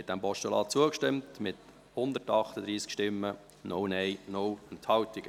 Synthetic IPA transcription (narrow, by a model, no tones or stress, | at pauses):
ɛt̚d̥̪ɛmpɔʃtɔlɑːt͡suəkʃtɪmtmɪt̪ | hʊnd̪ətɑχt̪əd̪ɾiːskʃtɪmːə | nownɛjnɔwənt̪hɑwt̪ɪɡ